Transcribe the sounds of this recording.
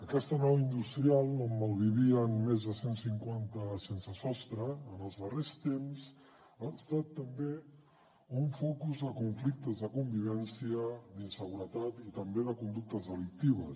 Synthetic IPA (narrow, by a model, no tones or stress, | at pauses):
əkɛst̪ənɔwind̪ust̪ɾialˠoməlˠβiβiənmezðəsensiŋkwant̪əsensəsɔst̪ɾəːnəlˠzðərest̪emsz | aːst̪at̪ːəmbe | uɱfɔkuzðəkuɱflik̚t̪əzðəkumbiβ̞ɛnsiəd̪insəɣuɾət̪at̪it̪əmbeðəkund̪uk̚t̪əzðəlik̚t̪iβəs